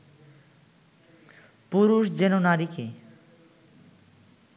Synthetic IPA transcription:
puɾuʃd͡ʑenonaɾike

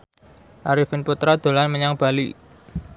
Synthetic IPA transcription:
ʔaɾifɪnput̪ɾad̪̥o̤lanməɲaŋb̥a̤lḭ

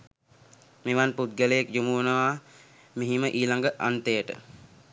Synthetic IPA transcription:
meʋanput̪̚ɡələjekd͡ʒumuənəʋa | miɦiməʔiːlaŋɡəʔant̪ejəʈə̰

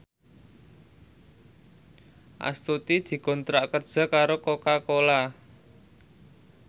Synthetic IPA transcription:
ʔa̰st̪ut̪id̪̥i̤kɔ̤nt̪ɾaʔkərd̥ʒ̥a̤kaɾokokakola

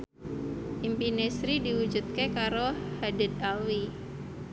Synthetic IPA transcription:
ʔimpinesɾidiwud͡ʒut̪̚kekaɾohadid̪̚alwi

